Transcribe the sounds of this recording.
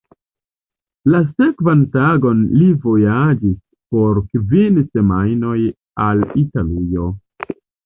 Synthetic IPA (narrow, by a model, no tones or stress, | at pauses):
lase̞kvantaɡo̞nlivo̞jad͡ʒis | po̞ɾkvinse̞majno̞j | alitalijo̞